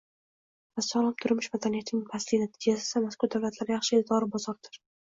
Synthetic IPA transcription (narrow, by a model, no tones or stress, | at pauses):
vasalˠɒmt̪ʰʊɾmɪʃmad̪anijat̪ʰɪnɪŋpʰaslɪnat̪ʰɪd͡ʒasɪ̥samaskʊɾd̪awlat̪ʰlaɾɪjaχʃɪed̪ʰɒɾɪbɒzɒɾd̪ʰɪɾ